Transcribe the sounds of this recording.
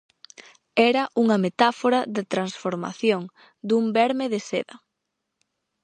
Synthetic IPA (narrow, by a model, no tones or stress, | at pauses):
ɛɾɐʔuŋɐmet̪afoɾɐðɪt̪ɾansfoɾma̰θjoŋ | d̪umbɛɾmeðɪseðɐ